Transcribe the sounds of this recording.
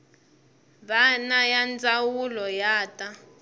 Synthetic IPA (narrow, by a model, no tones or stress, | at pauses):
βanajand͡zawulɔjaːtʼa